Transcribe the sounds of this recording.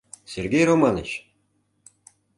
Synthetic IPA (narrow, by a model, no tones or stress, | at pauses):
sʲerɡʲejromɑnɤ̰̆t͡ɕ